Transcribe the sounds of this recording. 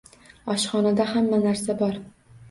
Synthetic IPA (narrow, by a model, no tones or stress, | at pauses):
ɒʃχɒnad̪ahamːanaɾsabɒɾ